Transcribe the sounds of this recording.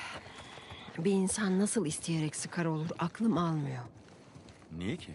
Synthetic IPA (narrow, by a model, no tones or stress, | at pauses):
biːnsanːasɯlˠist̪ʰije̞ɾɛcsɯkʰaɾo̞lˠuɾaklˠɯmalˠmɯjo | nijecʰi